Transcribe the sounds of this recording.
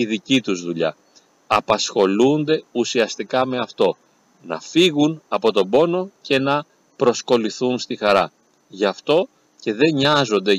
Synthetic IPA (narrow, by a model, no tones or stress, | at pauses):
iðicit̪uzðuʎɐ̰ | ɐpɐsxo̞lund̪e̞usiɐst̪ikɐme̞ɐft̪o̞ | nɐ̰fiɣunɐpo̞t̪o̞bo̞no̞ce̞nɐ | pɾo̞sko̞liθunst̪ixɐɾɐ | ʝɐft̪o̞ | ce̞ðe̞ɲɐzo̞nd̪e̞